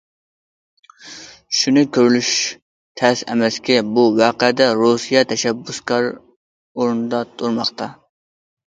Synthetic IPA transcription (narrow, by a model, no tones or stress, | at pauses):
ʃunɪkʲʰøɾylyʃ | t̪ʰɛsɛ̰mɛskʲɛbuwɑːqɛd̪ɛɾusijɑt̪ʰɛʃɛbːuskɑɾ | oɾnɨd̪ɑt̪ʰoɾmɑχt̪ɑ